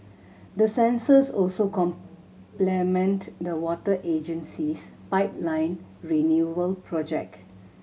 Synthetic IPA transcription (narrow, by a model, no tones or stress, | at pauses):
dəsɛ̃nsəsɔlsokɔ̃m | plɛmɛ̃ntdəwɔtəʔed͡ʒə̃nsispaɪp̚lãɪ̃nɹinjuəlpʰɹɔd͡ʒɛ̰k̚t